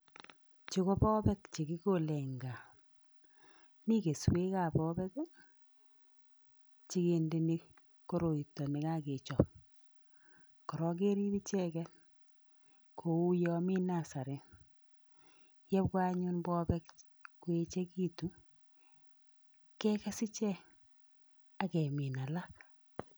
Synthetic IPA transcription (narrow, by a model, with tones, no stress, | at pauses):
t͡ʃi˦ko˦pɔ˦pɛ˦kt͡ʃe˨ki˦ko˦˨lɛ˨ŋɡa˨ | ni˦ke˨swe˦ka˨pɔː˦bɛ˦k | t͡ʃi˦ke˨nde˨ni˦ | ko˦ɾo˨i˨tːɔ˨ne˨ka˦ke˨t͡ʃɔ˨p̚ | kɔ˨ɾɔ˦k̬e˦ɾi˦bi˦t͡ʃɛ˦kɛ˦ | kʰo˨u˦jɔ˦mi˦na˦˨sa˨ɾe˨n | jɛ˦p̚kwa˦ɲu˦nbɔ˦bɛ˦k | kwe˨t͡ʃe˦ki˦tu˨ | kɛ˦kɛ˦sɪ˦t͡ʃɛ˦ | a˨kɛ˨mi˨na˨la˦k̚